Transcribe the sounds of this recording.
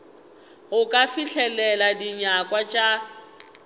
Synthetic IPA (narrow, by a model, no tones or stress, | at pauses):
ɣʊkʼafiɬʰɛlɛladiɲakʼwat͡ʃʼa